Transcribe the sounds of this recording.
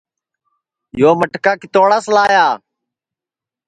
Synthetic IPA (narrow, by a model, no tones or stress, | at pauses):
joːməʈkaːkɪt̪oːɽaslaːjaː